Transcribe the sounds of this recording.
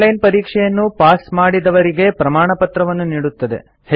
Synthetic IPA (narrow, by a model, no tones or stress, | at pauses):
lɐjnpɐɾiːkʂɛjɐnːupaːsmaːɽid̪ɐʋɐɾiɡe̞pɾɐmaːɳɐpɐt̪ɾɐʋɐnːuniːɽut̪ːɐd̪e̞̰ | he